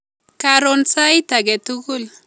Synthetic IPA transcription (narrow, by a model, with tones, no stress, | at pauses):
ka˨ɾo˨nsa˦jta˨ɡɛ˨tu˦ku˦l